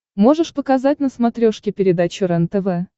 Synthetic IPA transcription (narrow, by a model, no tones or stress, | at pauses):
mo̞ʐɨʂpəkɐzat̚ʲnəsmɐt̪ɾʲoʂkʲɪpʲɪɾʲɪd̪at͡ɕʊɾɛnt̪əvɛ